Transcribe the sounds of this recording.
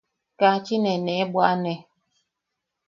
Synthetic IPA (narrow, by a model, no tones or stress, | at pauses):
kat͡ʃinɛnɛbwaʔnɛ